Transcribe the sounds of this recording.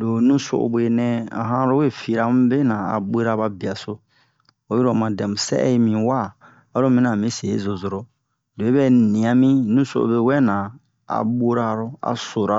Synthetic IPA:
lo˨nũ˦so̰˨ʔo̰˨be˨nɛ̃˦a̰˨ɦã˦ɾo˦we˦˨fi˨ɾa˨mũ˦be˦nã˨a̰˨be˦ɾa˦ba˧bi˨a˨so˦ | o˨˦i˦ɾo˨mã˨dɛ̃˨mũ˨sɛ̰˦ʔi˦mĩ˨wa˦ | a˦ɾo˦mĩ˦nã˨mĩ˦se˨ḛ˦zo˨zo˨ɾo˦ | le˨e˦bɛ˦˨nĩ˨a˨mĩ˦nũ˦so̰˦ʔo̰˨be˧˨wɛ˦nã˨ | a̰˨ɓo˦ɾa˦ɾo˦a̰˨so˨ɾa˦

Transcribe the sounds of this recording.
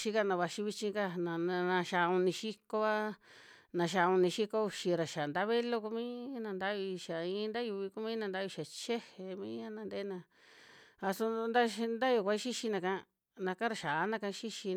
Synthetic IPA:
ʃi˧ka˦˧nã˧βa˧ʃi˧βi˧t͡ʃĩ˧ka˦nã˨˧nã˧ʃa˧˨˧ũ˧nĩ˧ʃi˦ko˦a˦ | nã˧ʃ̬a˧˨˧u˧nĩ˧ʃi˦ko˦˧u˧ʃi˧ɾa˨ʃa˨nd̪a˦βe˦lo˦ku˦mĩː˦nã˧nd̪a˦βi˧i˧ʃa˨ĩ˧˦˧nd̪a˦ju˧βi˧ku˦mĩ˦nã˧nd̪a˦˧ʃa˨t͡ʃe˦he˨mĩː˦a˦nã˧nd̪e˦nã˧ | a˧so˧nd̪a˦˧nd̪a˦jo˧˨kʷa˧˦ʃi˦ʃi˧nã˧kã˦˧ | nã˧kã˦ɾa˧ʃa˨˦nã˦˧ka˧ʃi˦ʃi˧

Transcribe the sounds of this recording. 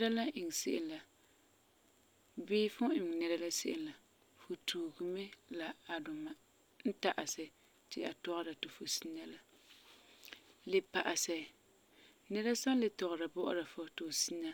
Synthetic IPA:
ɛ˦ɾa˦la˦ʔɪ˨ŋ˨sḛ˦ʔɪ˦la˨ | bɪː˦fʊ˦ɪ˨m˨nɛ˦ɾa˦la˦sɪ˦ʔɪ̰˦la˨ | fo˨tuː˨ɡɨ˨mɛ˦la˨a˨dʊ˨ma˨ | n̩˦ta˨ʔa˨sɛ˨ | tɪ˨a̰˨tɔ˦ɣɾa˨tʊ˨fo˨si˦na˦la˦ | lɪ˨pa˨ʔa˨sɛ˨ | nɛ˦ɾa˦sa˦lɪ˨tɔ˨ɣɾa˨bɔ˦ʔʊ̰˦ɾa˨fɔ˦tʊ˨si˦na˦

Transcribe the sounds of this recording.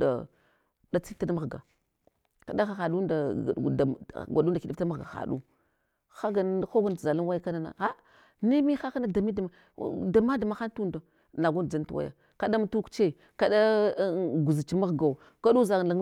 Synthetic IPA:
a̰˨ | da˦t͡si˦fta˦dma˦ɣɡa̰˨ | ka˨da˦xa˨xa˨ɗu˦da˨da˨ɡʷa˨ɗu˦nda˨ki˦di˦tma˦ɣɡa̰˨xa̰˨ɗu˦ | xa˦ɡa˨n˦˨˦xo˦ɡa˦n˨za˨la˦n˦wa˦ja˦ka˦na˦na̰˨a˦ | ni˦mi˦xa˦ka˦na˦da˨mi˦da˨ma˨˦ | da˨ma˦da˨ma˨xa˦n˦tu˦nda˨ | na˨ɡu˦n˨d͡za˦n˦tu˨wa̰˦ja̰˨ | ka˨ɗa˦m˦tu˦kt͡ʃe˦˨ | ka˦ɗa˦ | ɡu˨zi˨t͡ʃi˦ma˦ɣɡa˨u˨ | ka˦du˦za˨a˨˦

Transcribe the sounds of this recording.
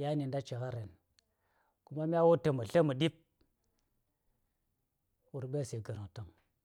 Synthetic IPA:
ja˦ni˨nda˦t͡ʃe˨ɣa˦ɾe˨n | ku˦ma˦m˦a˦wo˦tə˨mə˨ɬə˦mə˨di˦p̚ | wu˨ɾbe˦ɾse˨ɡa˨ɾa˨ta˦˨ŋ

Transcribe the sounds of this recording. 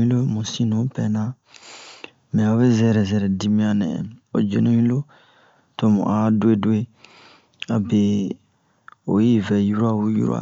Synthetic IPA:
ĩ˦lo˦mũ˨sĩ˦nũ˨˦pɛ˨nã˦ | mɛ̃˨o˦be˦zɛ˨ɾɛ˨zɛ˨ɾɛ˨di˦mĩ˦a˨nɛ̰̃˨ɛ̰˨o̰˨d͡ʒḛ˨nõ˦ɲĩ˦lo˦ | to˨mṵ̃˨ʔa˦du˦e˦du˦e˦ | a˨be˨ | o˨ji˦vɛ˨ju˦ɾo˦a˨u˦jṵ˦ɾo̰˦a̰˨

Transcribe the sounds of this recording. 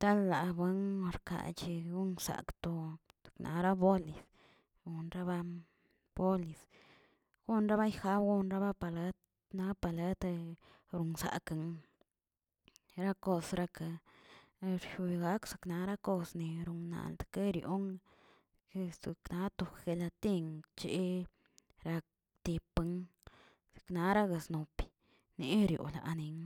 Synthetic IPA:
t̪a˦lːa˨bwe˦n˧ɾka̰˨t͡ʃi˧ɡu˦nsa̰˨kt̪o˧zḁ˨knʔa̰˨˦ɾa˦bo˦li˨s | ɡu˧nɾa˦ba˧ | b̥o˦li˨s | ɡ̥u˦nɾa˦ba˦jxa˦bɡu˦nɾa˦ba˦pa˧˨le˦t̪ | na˧˦pa˨le˦t̪ | ɾu˨nsa̰˨ka˨ŋ | ɾa˦ko˧sɾa˧ka˧ | ɾʃu˧ɡa˦ksḁ˨kna˧˦ɾa˦ko˦˧sni˨ɾu˨ŋna̰˨ld̪ke˦ɾjo̰˦ŋ˧ | kze˧kna˧˦t̪u˧xxe˧la˧t̪i˦ŋt͡ʃḛ˧˦ | ɾa˧k̚ | t̪i˧pɨ˧ŋ | z̥e̥˨kna˧˦ɾa˦ɡa˨sno˨pi̥˨ | ne˧˦ɾjo̰˨la̰˨ni˧ŋ

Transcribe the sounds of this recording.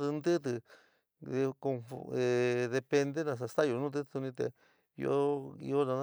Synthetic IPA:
t̪ɨ˧nd̪ɨ˦t̪̬ɨ˧ | ko˧fe˧ðe˧pe˧nd̪e˦nã˧s̬a˧st̪a˦jo˧nũː˦t̪̬ɨ˧˦t̪u˧nĩ˧t̪ḛ˧˨ | jo̰˧˦ḭ˧o˦nã˧n

